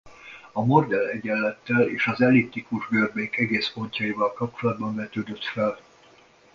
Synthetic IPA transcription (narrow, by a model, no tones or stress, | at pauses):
ɒmo̞rd̪ɛlɛɟɛlːɛt̪ːɛleːʃɒzɛlipt̪ːikuʒɡørbeŋkɛɡeːspo̞ɲcɒivɒlkɒp̚t͡ʃolɒd̪bɒɱvɛt̪øːd̪øt̪fɛl